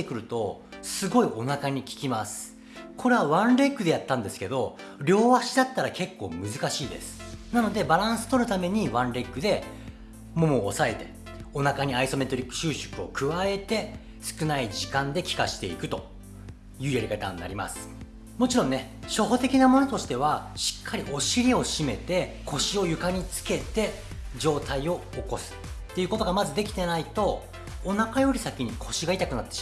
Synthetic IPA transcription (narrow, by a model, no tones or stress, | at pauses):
ekɯ̟ɾɯ̟t̪o̞sɨɡo̞iʔo̞nakaɲ̟ikʲi̥kʲimasɨ̥ | kʰo̞ɾe̞βaβãnɾe̞kːɯ̟d̪e̞jat̪ːãnd̪e̞sɨ̥ke̞d̪o̞ɾʲo̞ːβaɕid̪at̪ːaɾake̞kːo̞̰ːmɯ̟zɨkaɕiːd̪e̞̰sɨ̥nano̞d̪e̞baɾãɰ̃sɨ̥t̪o̞ɾɯ̟t̪ame̞ɲ̟iβãnɾe̞kːɯ̟d̪e̞ | mo̞moːsae̞t̪e̞ | o̞nakaɲ̟iaiso̞me̞t̪o̞ɾʲikːɯ̟̥ɕɨːɕɨ̥kɯ̟o̞kɯ̟βae̞t̪e̞ | sɨ̥kɯ̟naid͡ʑikãnd̪e̞kʲi̥ka̰ɕi̥t̪e̞̰ikɯ̟t̪o̞ | jɯ̟ːeɾɯ̟ɡet̪ã̰nːa̰ɾʲima̰sɨ̥ | mo̞t͡ɕiɾõ̞nːe̞ | ɕo̞ɦo̞t̪e̞kʲinamo̞no̞t̪o̞ɕi̥t̪e̞β̞aɕi̥kʰːaɾʲiʔo̞ɕiɾʲio̞ɕime̞t̪e̞ | kʰo̞ɕio̞jɯ̟kaɲ̟it͡sɨ̥ke̞t̪e̞ | d͡ʑo̞ːt̪aio̞ːko̞sɨ̥t̪ːe̞jiɯ̟kot̪o̞ɡamazɨd̪e̞kʲt̪e̞nait̪o̞ː | nakajo̞ɾʲisakʲiɲ̟ikʰo̞ɕiɡait̪akɯ̟nat̪ːe